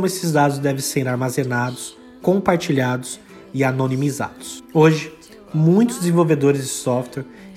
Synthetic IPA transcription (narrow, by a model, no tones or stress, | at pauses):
õmʊesɪzd̪ad̪ʊz̬d̪ɛvẽseɾaɾmazenad̪ʊs | kõpaɾt͡ʃiʎad̪ʊs | ɪanonimiza̰d̪ʊ̥soʒɪ | mũj̃t̪ʊzd̪ɪzẽvowved̪oɾɪzd͡ʒɪsɔft̪wɛɾ